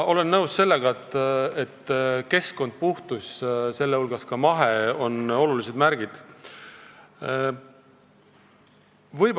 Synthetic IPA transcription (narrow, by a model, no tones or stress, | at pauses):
o̞le̞nːɤwsse̞lːe̞ɡ̥ɑet̪ːˑe̞t̪ːke̞sko̞nd̪̥̚puht̪usse̞lːeulɡ̥ɑskɑmɑɦe̞o̞no̞lulise̞d̪̥mæɾɡ̥id̪̥ | vɤjb